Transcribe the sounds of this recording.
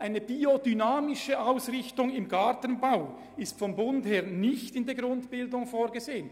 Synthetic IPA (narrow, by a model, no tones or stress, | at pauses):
ʔaɪnəb̥iodynaːmɪʃəʔaʊsʁɪçtʊŋɪmɡatənbaʊ | ɪstfɔmbʊntheːɐnɪçtɪndɛːɐɡʁʊntb̥ɪldʊŋfoːʁɡəzeːən